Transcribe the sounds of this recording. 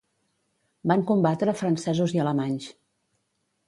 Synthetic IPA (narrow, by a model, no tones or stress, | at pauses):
baŋkumbat̪ɾəfɾənsɛzuziələmaɲs